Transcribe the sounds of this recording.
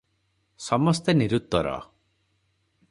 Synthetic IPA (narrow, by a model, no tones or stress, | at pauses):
sɔmɔst̪eniɾut̪ːwɔɾɔ̰